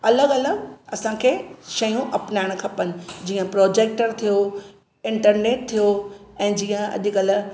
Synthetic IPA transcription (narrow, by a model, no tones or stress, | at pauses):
ɐləɡɐləɡɐsãkʰeːʃɐjũʔɐpnaːɪɽ̃kʰɐpənɪ̆d͡ʑiːə̃pɾɔːd͡ʑeːk̚ʈəɾt̪ʰijo | ɪ̃ɳʈəɾneːʈ̚t̪ʰijoɛ̃ːd͡ʑiːə̃ɐ̰ʄɪkɐl̆